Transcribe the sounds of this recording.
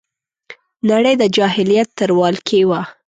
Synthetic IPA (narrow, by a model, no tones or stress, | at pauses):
naɽəjd̪əd͡ʒɑɦɪlijat̪ːəɾwɑlkʰewa